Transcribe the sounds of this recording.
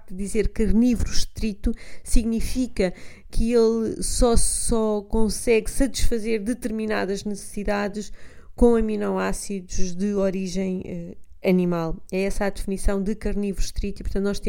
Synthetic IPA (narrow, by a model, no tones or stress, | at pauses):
d̪ɨðizeɾkɐɾnivɾuʃt̪ɾit̪usiɣnifikɐ | kʰɨelˠsɔsɔkõsɛɣsɐt̪i̥ʃfɐzeɾd̪ɨt̪ɨɾminaðɐʒnɨsɨ̥siðaðɨʃkõɐminɐ̃w̃asiðuʒðɨɔɾiʒɐ̃j̃ɛ | ɐnimalˠɛɛsad̪ɨfnisɐ̃w̃d̪ɨkɐɾnivɾuʃt̪ɾit̪uipuɾt̪ɐ̃nt̪nɔʃt̪ẽ